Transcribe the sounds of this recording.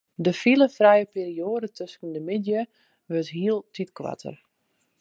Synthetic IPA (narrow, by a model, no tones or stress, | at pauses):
dəfiləfrɛjəpiːɾioːdətʰøskəndəmɪdjə | ʋøtɦiəlˠtʰitkwa̰tʰə̰r